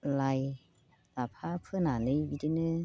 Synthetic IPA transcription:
laj | lapʰaːpʰɯːnaːnɯwit̪ʰinɯː

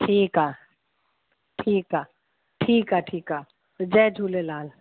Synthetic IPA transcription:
ʈʰiːkaː | ʈʰiːka | ʈʰiːkaʈʰiːka | d͡ʒɛːd͡ʒʱuːlelaːl

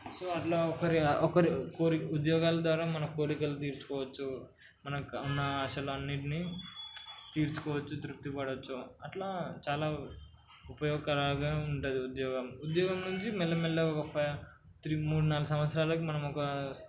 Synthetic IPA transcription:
soːɐʈlaːɔkɐɾiɔkɐɾikoːɾiud̪jɔːɡaːlɐd̪ʋaːɾaːmɐnɐmkoːɾikɐlut̪̬iːɾt͡ʃu̥kɔːʋɐt͡ʃːu | mɐnɐunːɐaːʃɐlɐɐnːiʈini | t̪iːɾt͡ʃu̥kɔːʋɐt͡ʃːud̪ɾut̪ːipɐɽɐt͡ʃːuɐʈlaːt͡ʃaːlaː | upɐjɔːɡkɐɾaːɡaːuɳʈud̪iud̪jɔːɡɐmud̪jɔːɡɐmnuɲt͡ʃimɛlːɐmɛlːeɔkɐpʰɐj | t̪ɾimuːɽunaːlusɐmʋɐt̪sɾaːlɐkimɐnɐmɔkɐ

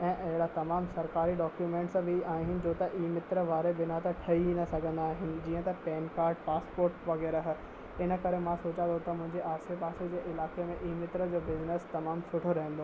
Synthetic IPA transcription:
ɛ̃ːʔɐɦɪɽat̪ɐmaːmsɐɾkaːɾiɖɔːkjumẽːɳʈsbʱɪaːɦɦɪnɪ̆d͡ʑoːt̪ɐʔiːmɪt̪ɾəʋaːɾebɪnat̪ɐʈʰɐinɐsɐɡʱə̃nd̪aːɦɪnɪ̆d͡ʑiːə̃t̪ɐpɛːnkaːɾɖpaːspoːɾʈʋɐɣɛːɾəɦ̆ | ɪnə̆kɐɾemãsoːt͡ɕãnd̪ot̪ʰɐmʊ̃ɦɪ̃ɲd͡ʑeʔaːɾsepaːsed͡ʑeːʔɪlaːkemẽʔiːmɪt̪ɾəd͡ʑoːbɪznəst̪ɐmaːmsʊʈʰoɾɐɦɪ̃nd̪oː

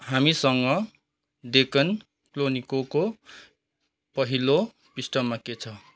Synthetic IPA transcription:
hamisʌŋʌ | ɖekʌn | klonikoko | pʌɦilo | pisʈʌmːaket͡sʰʌ

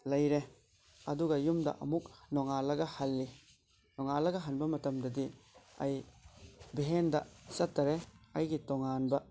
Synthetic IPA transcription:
lɐjɾe | ɐduɡɐjumdɐ̰ʔɐ̰muk̚nɔŋalɐɡɐhɐlːi | nɔŋalɐɡɐɦɐnbɐmɐtɐmdɐdiɐ̰j | biɦendɐsɐtːɐɾeɐjɡitɔŋanbɐ

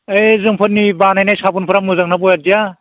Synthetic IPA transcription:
ejzɯŋpʰɯɾnibanajnajsabunpʰɯɾamɯzaŋnabɔjadija

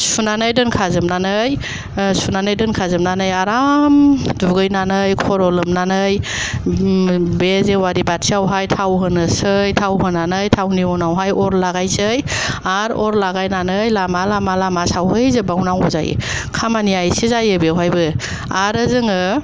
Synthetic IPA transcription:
sunanɯjdɯnkʰazɯmnanɯj | sunanɯjdɯnkʰazɯmnanɯjaɾamduɡɯjnanɯjkʰɔɾɔlɯmnanɯj | bezewaɾibatsiawɦajtʰawɦɯnɯsɯjtʰawɦɯnanɯjtʰawniɔnawɦajɔɾlaɡajsɯjaɾɔɾlaɡajnanɯjlamalamalamasawɦɯjzebawnaŋɔza̰j̰ | kʰamaniajsizajɯbewɦajbɯ | aɾɯzɯŋɯ

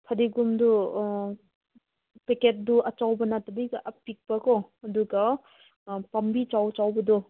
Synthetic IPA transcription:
pʰɐdiɡumdu | peket̚duʔɐt͡ʃawbɐnatɐbɐjɡɐʔɐpik̚pɐkɔɐduɡɐ | pɐmbit͡ʃawt͡ʃawbɐdu

